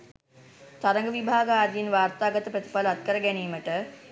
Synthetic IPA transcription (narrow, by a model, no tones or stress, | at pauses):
t̪aɾəŋɡəʋibʱaːɡəaːɾiinʋaːrt̪aːɡət̪əpɾɐt̪i̥paləat̪̚kəɾəɡæniːməʈə